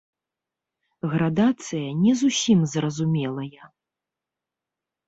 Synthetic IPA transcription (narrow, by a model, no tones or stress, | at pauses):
ɣɾad̪at̪sɨjɐnʲɛzusʲimzrɐzumʲɛlˠɐjɐ